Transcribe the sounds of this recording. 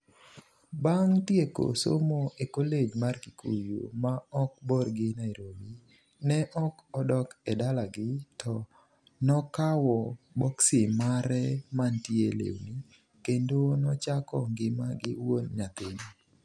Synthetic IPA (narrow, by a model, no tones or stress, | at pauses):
baŋtjeko̰so̰moekoled͡ʒmarkikʰṵjo̰maɔk̚bɔrɡɪnaiɾomi | nɛʔɔkɔdɔkɛdalaɡɪtɔ | nɔkawɔbɔksimaɾɛmantjelḛwni | kendonɔt͡ʃakɔŋɡɪma̰ɡɪwonɲat̪eɲi